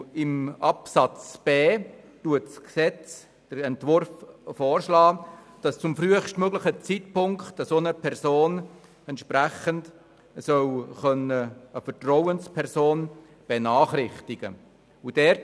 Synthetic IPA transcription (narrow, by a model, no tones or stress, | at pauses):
ɪmɑpsɑt͡sb̥ɛː | tuətsksɛt͡s | d̥əɾɛntvʊɾffɔːɾʃlɑː | d̥ɑst͡sʊmfryəχʃtmøɡlɪχət͡sitpʊŋktɑsonəpʰɛɾsoːn | ɛntʃpræχənd | sœwχœnəəfəɾtrɔwənspʰɛɾsoːn | b̥enɑːχrɪχtɪɡ̥ə | ud̥ɛːɾ